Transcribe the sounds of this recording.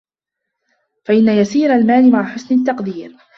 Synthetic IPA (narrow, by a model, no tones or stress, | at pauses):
faʔɪnːajasiːɾalmaːlɪmaʕħʊsnɪt̪ːɑqd̪iːɾ